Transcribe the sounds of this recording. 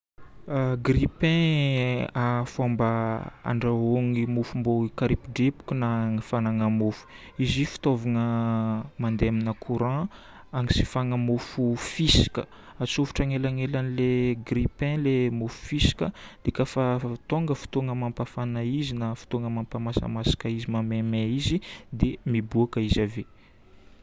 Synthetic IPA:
aɡripɛ̃ | afambaa̰ɳɖ͡ʐaoŋimufumboikaɾipiɖ͡ʐepu̥kunaŋifanaŋamufu̥ | izifi̥t̪ovaŋə | mand̪eaminəkʰuɾã | aŋisi̥faŋəmufufisi̥kʲə̰ | at͡sufu̥ʈ͡ʂaŋelaŋelanileɡripɛ̃lemufu̥fisi̥kʲəd̪̥ekafat̪oŋɡəfu̥t̪oŋəmampafanaizinafi̥t̪oŋəmampamasə̰masḁkəizimamemeizid̪emibuakəizave

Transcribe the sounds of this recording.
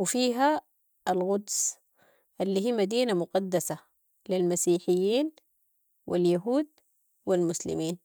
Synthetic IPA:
wɪfiːɦa | ʔalɣʊd̪s | ʔalːiːɦiːmad̪iːnamʊqɑd̪ːasa | lilmasiːħɪjːiːn | wʔḭljaɦuːd̪ | wilmʊslɪ̰miːn

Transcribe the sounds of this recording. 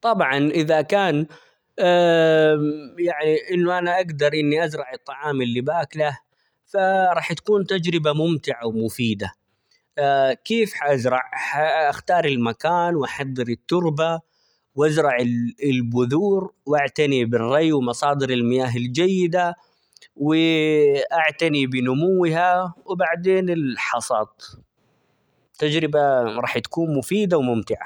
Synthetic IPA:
t̪ˤɑbʕɑnʔɪðakaːnː | jaʕniʔɪnːʊʔanaʔaɡd̪ɑɾˤʔɪnːiʔazɾˤɑʕɨt̪ˤːɑʕɑːmɪlːibaːklah | faɾˤɑːħt̪ḁkuːnt̪ad͡ʒɾɪbamʊmt̪ɪʕawmʊfiːd̪a | keːfħaʔazɾˤɑʕħaʔaxt̪ɑːɾˤɪlmakaːnwʔaħɑðˤːɨɾɪt̪ːʊɾba | wʔazɾˤɑʕɪɪlbʊðuːɾwʔaʕt̪anibɪrˤːɑjwɪmɑsˤɑːd̪ɪɾɪlmɪjaːɦɪld͡ʒajːɪd̪a | wɪʔaʕt̪anibɪnʊmʊwːɪhawɪbaʕd̪eːnɪlħɑsˤɑːt̪ˤ | t̪ːad͡ʒɾɪbaɾˤɑːħt̪ḁkuːnmʊfiːd̪awmʊmt̪ɪʕa̰

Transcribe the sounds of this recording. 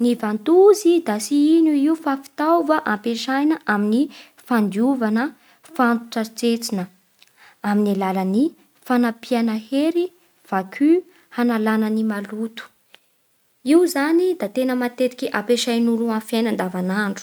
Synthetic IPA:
nivant̪uzid̪asiinuiufafi̥t̪awvəʔampeʃajnəʔamini | fand̪iuvanə | fant̪u̥ʈ͡ʂat͡set͡sinə | aminalaləni | fanapianəheɾi | v̥akʰy | hanalanənimalut̪u̥ | iwzanid̪at̪enəmat̪eɾi̥kʲiʔapeʃajnuluãfjajnand̪avanaɳɖ͡ʐu̥

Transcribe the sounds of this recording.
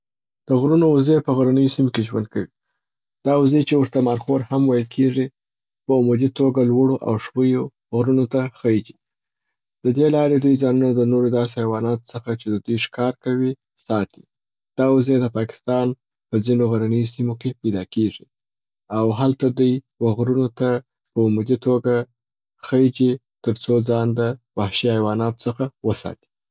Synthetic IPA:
d̪̥əɣɾunozepəɣaɾanəjosimokeʒwa̰nd̪̚kawi | d̪̥ɑʊzet͡ʃewʊɾt̪amɑɾxoɾhamwajəlkʰeʐi | pəʊmud̪it̪oɡalwəɽoʔa̰wʂwəjo | ɣɾunot̪axəjid͡ʒi | d̪̥əd̪elɑɾed̪ujd͡zɑnunad̪ənoɾod̪ɑsehawɑnɑt̪o̥səxat͡ʃed̪əd̪ujʂkɑɾkawi | sɑt̪i | d̪̥ɑwazed̪əpɑkɪ̥st̪ɑn | pəd͡zinoɣaɾanəjosimokepajd̪ɑkeʐi | awɦalt̪ad̪uj | waɣɾunot̪a | pəʊmʊd̪it̪oɡa | xəd͡ʒi | t̪əɾt͡sod͡zɑnd̪əbahʃiajwɑnɑt̪o̥t͡səxawəsɑ̰t̪i̥

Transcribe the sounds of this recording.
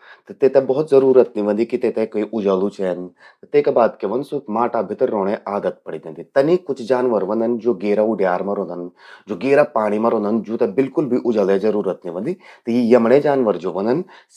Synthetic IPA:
t̪ɐt̪eːt̪ẽbɔɦɔt̪zɐɾuːɾət̪niʋɐ̃nd̪ikit̪eːt̪ẽkoiʔʊd͡ʒaːlut͡ʃʰen | t̪ɐt̪eːkebaːd̪keʋɐnd̪somaːʈaːbɪt̪ɐɾoːɽ̃ẽʔaːɡət̪̚pɐɽid̪ẽnd̪it̪ɐnikʊt͡ʃʰd͡ʒaːnʋəɾʋɐ̃nd̪ənd͡ʒoːɡeːɾauɖjaːɾmɐ̃ɾɦõnd̪ɐnd͡ʒoːɡeːɾapaːɽ̃imɐ̃ɾõːnd̪ənd͡ʒoːt̪ebɪlkʊlbʱiʔʊd͡ʒəlezɐɾuːɾət̪̚nĩʋɐ̃nd̪it̪ɐjijɐmɽed͡ʒaːnʋəɾd͡ʒoːʋɐ̃nd̪əns

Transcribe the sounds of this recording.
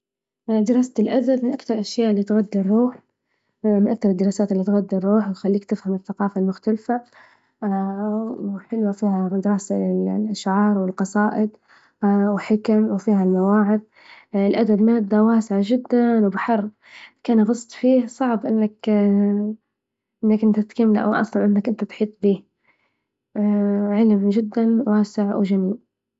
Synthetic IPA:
d̪ɪɾˤɑːst̪ɪlʔad̪abmɪnʔakθɑɾˤʔaʃjaːʔlːiːt̪ɣad̪ːɪɾːuːħ | mɪnʔak̚t̪ɑɾˤɨd̪ːɪɾˤɑːsaːt̪ɪlːiːt̪ɣad̪ːɪɾˤːuːħwt̪xalːiːkt̪ɪfhamɪθːaqɑːfalmʊxt̪alfa | ħɪlwafiːhad̪ɪɾɑːsaɪʔaʃʕɑːɾˤwɪlqɑsˤɑːʔɪd̪ˤ | wħɪkamwfiːɦalmawaːʕɪð | ɪlʔad̪abmad̪ːawaːsɪʕad͡ʒɪd̪ːanwbɪħɑɾˤb | kaːnɣɑsˤt̪ˤfiːhsˤɑʕbʔɪnːak | ʔɪnːakʔɪnt̪at̪kamːlʔa̰wʔɑ̰sˤlɑnʔɪnːakʔɪnt̪at̪ħiːt̪ˤbiːh | ʕɪlmd͡ʒɪd̪ːanwaːsɪʕwd͡ʒaniː

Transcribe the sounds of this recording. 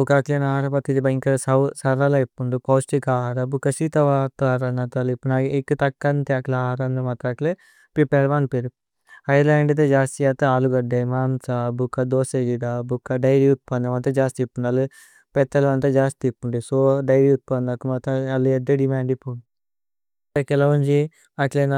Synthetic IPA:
ukat̪enaːɾɐpɐt̪it̪ibɐjŋkɐɾsɐsɐɾɐlɐipːuɳd̪upɐwsʈikaːɾɐbukːɐsit̪ɐʋaːt̪aːɾɐnɐt̪ɐlipːunaɡiekːut̪ɐkːɐnt̪aːklaːɾɐnd̪ɐmɐt̪akle | pipɛɾʋaːnpeɾu | hɐjlaːɳɖɐt̪ed͡ʒaːst̪ijat̪ːɐaːluɡɐɖɐjmaːnsabukːɐd̪oːseɡidabukːɐɖɐjɾut̪̚pɐnɐʋɐnt̪ɐd͡ʒaːst̪ipːuɳɐlu | pɛt̪ːɐlɐʋɐnt̪ɐd͡ʒaːst̪ipːuɳɖisoːɖɐjɾut̪̚pɐnɐkːumɐt̪ɐɐlued̪eɖimaːɳɖipːun | ɐkɛlɐʋund͡ʒi | ɐklen

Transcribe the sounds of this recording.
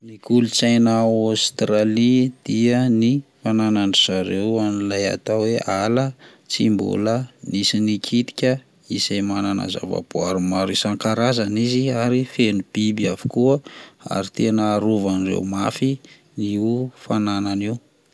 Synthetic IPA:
nikulut͡sajnaast̪ɾalid̪̥iənifananaɳɖ͡ʐizaɾewanilaja̰t̪aweʔalə | t͡simbṵlənisinikʰit̪i̥kʲə | isajmanana̰za̰va̰b̥uaɾumaɾisaŋkaɾazaniziaɾifenub̥ibiavu̥kuəa̰ɾit̪enəːɾuvanirḛwmafi | niufananani

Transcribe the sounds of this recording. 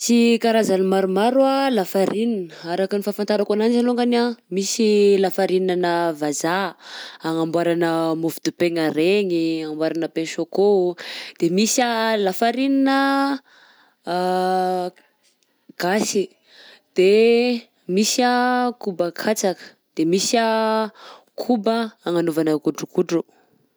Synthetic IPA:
t͡sikaɾazanimaɾumaɾualafaɾininəaɾakənifafant̪aɾakananzaloŋɡanamisilafaɾinanəvazaaŋambwaɾanəmofid̪upeŋaɾeŋiambwaɾanəpenʃokod̪̥emisalafaɾininə | ɡ̥asi | d̪̥e | misakubakʰat͡sakə̥ | d̪̥emisa | kʰubəaŋanovanəkuɖ͡ʐukuɖ͡ʐu

